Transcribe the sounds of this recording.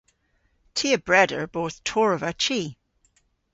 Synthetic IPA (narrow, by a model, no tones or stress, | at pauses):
tʰiːəbɹɛdə˞boːθtʰɔɹəvət͡ʃʰiː